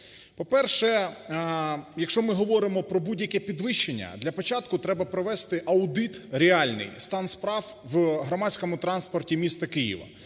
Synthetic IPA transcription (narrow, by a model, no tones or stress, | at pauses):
pɔpɛrʃɛ | jɐkʃt͡ʃɔmɪɦɔʋɔɾɪmɔpɾɔbudʲjɐkʲɛpʲid̪ʋɪʃt͡ʃːenʲːɐ̰d̪lʲɐpɔt͡ʃɑt̪kʊt̪ɾɛbɐpɾɔʋɛst̪ɪʔɐʊd̪ɪt̪ɾʲɪɑlʲnɪ̰jst̪ɑnspɾɑwʋɦɾɔmɑsʲkɔmʊt̪ɾɑnspɔrtʲimʲist̪ɐkɪjḭʋɐ̰